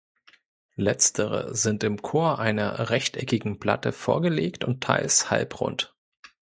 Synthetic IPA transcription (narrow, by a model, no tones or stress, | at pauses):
lɛt͡stʰəʁ̞ə̰zɪntɪmkʰoːɐʔaɪnɐʁɛçtʔɛkɪɡŋ̩pl̥a̰təfoːɐɡəleːktʊntʰːa̰ɪlsha̰lpʁʊ̰nt